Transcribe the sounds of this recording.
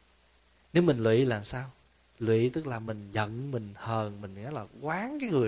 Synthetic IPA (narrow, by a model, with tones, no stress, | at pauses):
ne˨˦wmi˨˩ŋ̟lwḭ˧˨laː˨˩msaː˧w | lwḭ˧˨t̪ɨ˦˥k̚laː˨˩mï˨˩ŋ̟zə̰˧˨nmï˨˩ŋ̟həː˨˩nmï˨˩ŋ̟ŋa˨˦jlaː˨˩kwaː˨˦ŋkaː˨˦jŋɨ˨˩ə